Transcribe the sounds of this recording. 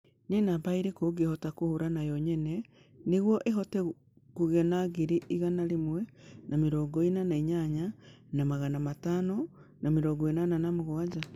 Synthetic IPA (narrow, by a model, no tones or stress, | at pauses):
nenabaiɾekoɡehɔtakohoɾanajɔɲɛnɛ | neɣwɔʔeɦɔtɛ | kuɣɛnaɣiɾiʔiɣanaɾemwɛnameɾɔːɡɔenanaiɲaɲanamaɣanamatano | nameɾɔːɡɔenananamoɣwad͡ʒa